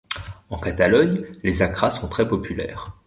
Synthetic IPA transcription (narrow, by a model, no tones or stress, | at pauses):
ɑ̃kat̪alɔɲlezakχasɔ̃t̪χɛpɔpʰylɛ̰ːʁ